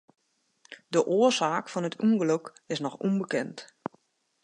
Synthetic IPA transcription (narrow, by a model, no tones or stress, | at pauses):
dəʔoəzaːkfɔnətʰuŋɡløk | ɪsnɔxumbəkɛnt